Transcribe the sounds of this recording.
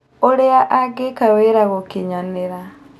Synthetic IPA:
oɾeaʔaɡekaweɾaɣokiɲaneɾa

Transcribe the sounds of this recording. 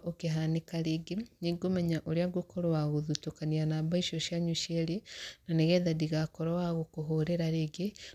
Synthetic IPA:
ʔokeɦanekaɾeɡeniɡomɛɲaʔoɾjaɡokʰoɾowaɣoðutokanianaːβaiʃoʃjaɲuʃeɾenaneɣɛðadiɣakoɾowaɣokoɦoɾeɾaɾeɡe

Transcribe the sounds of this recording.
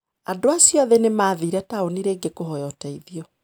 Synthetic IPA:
andoasjɔðɛnemaːðiɾɛtaoniɾeːŋɡekohɔjɔtɛiðiɔ

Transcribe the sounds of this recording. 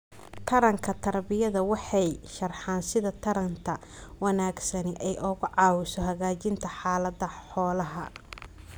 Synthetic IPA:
t̪ʰɐɾɐŋkʰɐt̪ʰɐrbɪjɐðɐwɑħɑjʃɐrħɑːnsɪðɐt̪ʰɐɾɐnt̪ʰɐ | wɐnaːɡsɐnɪʔɛjʔɔɣʊʕɑːwɪʃɔɦɐɣaːt͡ʃɪnt̪ʰɐħaːlɐdɐħɔːlɐɦɐ̰

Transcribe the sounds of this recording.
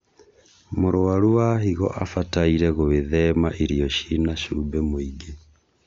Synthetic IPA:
moɾoaɾuwaɦiɣɔ̰ʔafataiɾɛɣoβeðɛmaʔiɾiɔʃinaʃuːbɛmoiɡe

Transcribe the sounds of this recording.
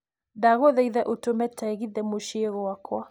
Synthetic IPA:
daɣoðɛjðɛʔotomɛtʰaɣiðɛmoʃieɣowakʰwa

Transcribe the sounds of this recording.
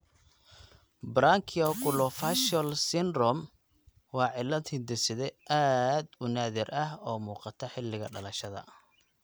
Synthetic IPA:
bɾaŋkʰɪɔkʰʊlɔfaʃɔlsɪnrɔm | wɑːʕɪlːɐt̪ʰɪnd̪ɪsɪðɛʔaːd̪ʊnaːðɪrɐhɔːmuːqɑt̪ʰɐħɪlːɪɣɐ̰ɖɐlɐʃɐðɐ̰

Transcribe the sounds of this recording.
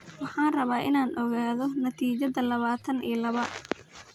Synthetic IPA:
wɑħɑːnrɐβaːʔɪnaːnʔɔɣaːðɔnɐt̪ʰiːt͡ʃɐðɐlɐβaːt̪ʰɐnḭːlɐβɐ

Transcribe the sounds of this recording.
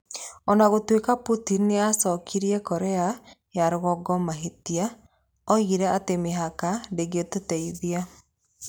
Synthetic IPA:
ɔnaɣotwekaputinːeasɔkʰiɾiɛkɔɾea | jaɾoɣɔɡɔmaɦetia | ɔiɾɛatemeɦakadeɡetotɛiðia

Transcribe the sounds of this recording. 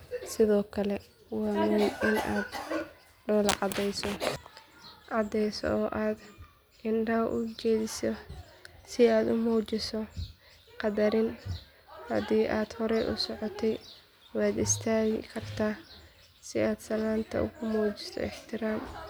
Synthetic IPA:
sɪðɔːkʰɐlɛ | wɑːmujɪna̰ːd̪ | ɖɔːlɑ̰ʕɑd̪ɛjsɔ | ʕɑd̪ɛjsɔ̰ɔːʔaːd̪ | ɪnɖɐwʔʊt͡ʃɛːðɪsɔ | sɪaːd̪ʊmuːt͡ʃɪsɔ | qɑd̪ɐɾɪn | hɐ̰d̪iːʔaːd̪̥hɔɾɛʔʊsɔʕɔt̪ʰɛj | wɑːd̪ɪst̪ʰaːɣɪkʰɐrt̪ʰaː | sɪaːd̪sɐlaːnt̪ʰɐ̰ʔʊ̰ɣʊmuːt͡ʃɪsɔ̰ɪħt̪ʰɪɾaːm

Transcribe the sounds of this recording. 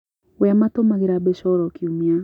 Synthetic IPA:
wɛamatomaɣeɾabeʃɔɾɔkiumia

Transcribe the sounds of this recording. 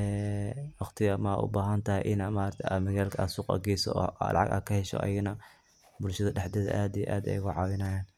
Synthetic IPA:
ɛːwɑχt̪ʰɪɣɐmːʔʊ̰baːɦɐnt̪ʰɐɦɛ̰ʔɪnmaːɾt̪ʰɛʔɐmɐɣaːlkʰɐaːd̪suːqʼɑ̰ɡɛjsɔ̰lɑ̰ʕɑ̰ɡa̰ːd̪̚kʰɐhɛʃɔ̰ʔɐ̰jɪɣnɐ | bʊlʃɐðɐɖɛħd̪ɛðɐ̰ʔaːd̪ij̰ʔaːd̪ɛ̰jɣʊʕɑːwɪnɐjaːn

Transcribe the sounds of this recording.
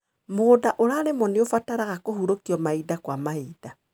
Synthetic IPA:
modaʔoɾaɾemɔneofataɾaɣakohuɾokiɔmaidakwamaida

